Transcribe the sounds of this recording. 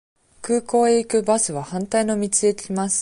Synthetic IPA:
kɯ̟ːko̞ːekɯ̟basɨβahãnt̪aino̞mʲit͡sɨet̪ʲimasɨ̥

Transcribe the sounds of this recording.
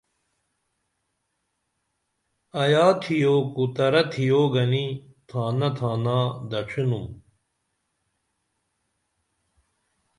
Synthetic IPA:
ɐjaːt̪ʰijoːkut̪ɐɾɐt̪ʰijoːɡɐnit̪ʰãːnɐt̪ʰaːnaːd̪ɐt͡ɕʰinum

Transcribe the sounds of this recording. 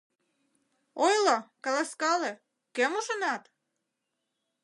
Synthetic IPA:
ojlɑkɑlɑskɑle | kemuʃonɑt̪

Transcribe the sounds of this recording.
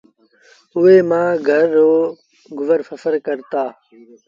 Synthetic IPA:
ʊeːmãːɡʱəɾːoː | ɡʊʋəɾfəfəɾkəɾt̪aː

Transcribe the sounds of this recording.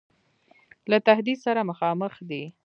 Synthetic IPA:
lat̪ahd̪id̪saɾaməxɑməxd̪i

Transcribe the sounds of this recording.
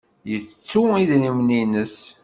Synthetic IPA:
jət͡st͡sːuiðnimninəs

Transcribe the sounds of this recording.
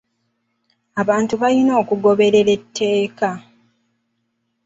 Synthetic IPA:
aβaːntuβalino̞ːkuɡo̞βe̞ɾe̞ɾe̞tʰːe̞ːka

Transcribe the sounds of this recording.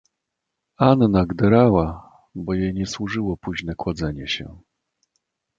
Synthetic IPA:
annaɡd̪ɛɾawa | bɔjejɲɛswuʐɘwɔpuʑnɛkwad̪zɛɲɛɕɛ̰

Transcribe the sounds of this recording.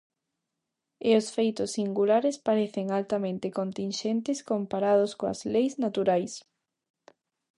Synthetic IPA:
ɪosfejt̪ʊsːiŋɡulaɾɪspaɾeθɪŋalt̪amẽnt̪ɪkont̪inʃent̪ɪskompaɾað̞oskoɐ̰zlejznat̪uɾajs

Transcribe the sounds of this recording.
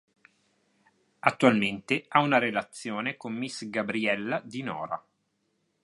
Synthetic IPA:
at̪ːualment̪eaunaɾelat̪sːjoːnekomːisɡabɾiɛlːad̪inɔ̰ːɾa̰

